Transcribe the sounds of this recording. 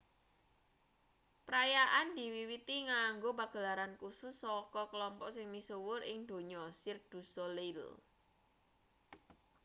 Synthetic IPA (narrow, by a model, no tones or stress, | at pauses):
pəɾajaʔand̪̥i̤wiwit̪iŋaŋɡobaɡ̥ə̤laɾankusʊsːɔkɔkəlɔmpɔʔsɪŋmisuwʊrɪŋd̪̥o̤ɲɔsɪrd̪̥ṳsolɪl